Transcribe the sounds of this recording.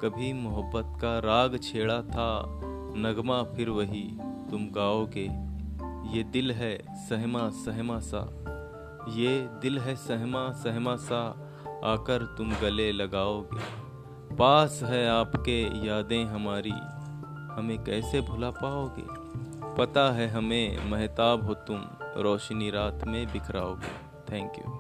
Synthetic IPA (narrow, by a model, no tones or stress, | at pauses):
kɐbʱimʊɦəbːət̪kaɾaːɡt͡ʃʰeːɽat̪ʰa | nɐɡmapʰɪɾʋəɦit̪ʊmɡaːoːɡeː | jeːd̪ɪlɦɛ | səɦmasəɦmasa̰ | jed̪ɪlɦɛsəɦmasəɦmasa | aːkəɾt̪ʊmɡɐlelɐɡaːoːɡḛː | paːsɦɛaːpkejaːd̪ẽɦɐmaːɾḭ | hɐmẽkɛːsebʱʊlapaːoːɡḛː | pɐt̪aɦɛɦɐmẽmɛɦt̪aːbɦoːt̪ʊmɾɔːʃniɾaːt̪mẽbɪkʰɾa̰ːo̰ːɡḛː | t̪ʰɛ̃ːŋkjṵː